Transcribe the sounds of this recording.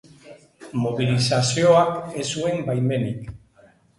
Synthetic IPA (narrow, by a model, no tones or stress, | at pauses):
moβ̞ilisasioake̞sue̞mbajme̞nik